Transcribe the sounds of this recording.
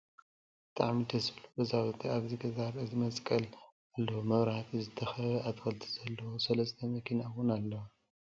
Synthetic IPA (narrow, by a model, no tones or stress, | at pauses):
b̥ɨt̪ʼaʕmid̪ɐsɨlubɐzawɐt̪ʰiaβzɨɡɐzaɾɨzɨmɐsʼkʼɐl | alːɐwomɐβɾaht̪ʰizɨt̪ʰɐxɐβɐat̪kʰɐlt̪ʰi̥z̥ɐlːɐwosɐlɐsʼt̪ʰɐmɐkʰinawʊnalːɐwa